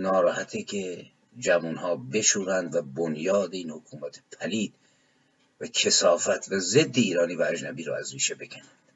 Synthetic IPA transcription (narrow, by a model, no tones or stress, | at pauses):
nɒːɾɒːhæt̪ʰekʰe | d͡ʒævunhɒːbe̞ʃuːɾænd̪væbonjɒːd̪eiːnhokʰuːmæt̪ʰe̥pʰæliːd̪̥̚ | vækʰe̞sɒːfæt̪ʰvæzed̪ːeiːɾɒːniːvææd͡ʒnæbiːɾɔ̰ːæzɾiːʃebekʰænænd̪̥